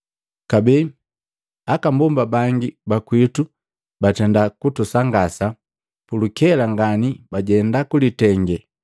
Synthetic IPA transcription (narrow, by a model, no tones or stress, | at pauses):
kabɛ | akambumbabaŋɡibakwitu | batɛndakutusaŋɡasa | pulukɛlaŋɡanibaɟɛndakulitɛŋɡɛ